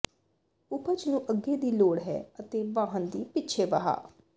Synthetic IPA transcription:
ʊkət͡ʃnũːʔəɡːeːd̪iːloːɽɦɛ̰ːət̪eːʋãːɦənd̪iːpɪt͡ʃʰeːʋaɦa̰ː

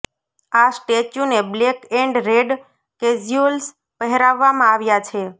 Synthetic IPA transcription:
asʈet͡ʃjũneblekeɳɖɾeɖ | ked͡ʒiols | pəɦɛɾaʋːamãaʋjat͡ʃʰe

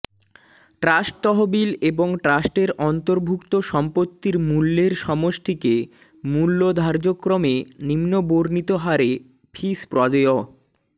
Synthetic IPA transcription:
ʈɾasʈ̚t̪ɔɦobileboŋʈɾasʈeɾɔnt̪oɾbʱukt̪oʃɔmpot̪ːiɾmulːeɾʃɔmoʃt̪ʰike | mulːod̪ʱaɾd͡ʑokɾomenimnoboɾnit̪oɦaɾe | pʰispɾɔd̪oo

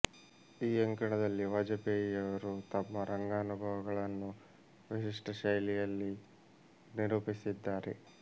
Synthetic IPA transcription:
iːɐŋkɐɳɐd̪ɐlːiʋɐd͡ʒɐpeːjijɐʋɐɾut̪ɐmːɐɾɐŋɡaːnubʱɐʋɐɡɐɭɐnːu | ʋiʃiʂʈʰɐʃɐjlijɐlːi | niɾuːpisid̪ːaːɾe̞̰

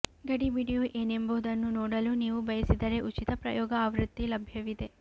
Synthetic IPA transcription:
ɡɐɽibiːɽijuʔeːnemboɦud̪ɐnːunɔːɽɐluniːʋubɐjɐsid̪ɐɾe̞ʔut͡ʃit̪ɐpɾɐ̰jɔːɡɐaːʋɾut̪ːilɐbʱjɐʋid̪e̞

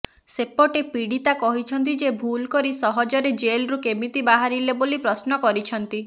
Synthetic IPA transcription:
sepɔʈepiɽit̪akɔɦit͡ʃʰɔnt̪id͡ʒebʱulkɔɾisɔɦɔd͡ʒɔɾed͡ʒelɾukemit̪ibaɦaɾilebolipɾɔsnɔkɔɾit͡ʃʰɔnt̪i

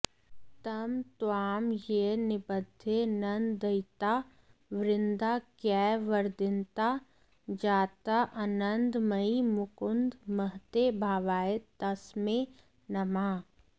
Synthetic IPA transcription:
t̪ɐmt̪oaːmjenɪbəd̪ʱenɐnd̪d̪əɪt̪a | ʋɾɪnd̪akɛːʋəɾd̪ɪnt̪a | d͡ʒaːt̪aʔɐnənd̪mɐimʊkʊnd̪məɦt̪ebʱaːʋaːet̪ɐsmẽ | nɐmaː

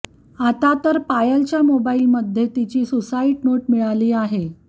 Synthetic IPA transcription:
at̪at̪əɾpajəlt͡ɕjamobailməd̪ʱjet̪it͡ɕiːsosaiʈnoʈmiɭaliːaɦe

